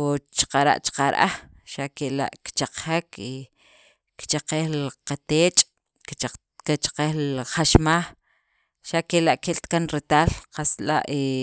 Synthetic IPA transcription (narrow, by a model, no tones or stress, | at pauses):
ot͡ʃqaɾa̰ʔt͡ʃḁqaɾʔaχ | ʃaʔkeʔla̰ʔkt͡ʃaq͡χxeki | kt͡ʃaqehlqat̪eːt͡ʃʼ | ket͡ʃḁqehlχaʃmax | ʃaʔkeʔlaʔkeʔlt̪kanɾet̪aːlqasla̰ʔe